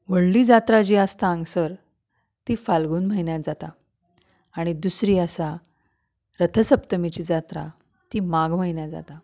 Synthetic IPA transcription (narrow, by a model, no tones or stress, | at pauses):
ʋəɽliːd͡zat̪ɾad͡ʑiːəst̪aəŋsəɾ | t̪iːfalɡuːnm̤ainjat̪d͡zat̪aː | ɽ̃id̪usɾiːəsa | ɾət̪ʰəsəpt̪əmit͡ɕiːd͡zat̪ɾa̰ | t̪imaɡm̤ainjad͡za̰t̪a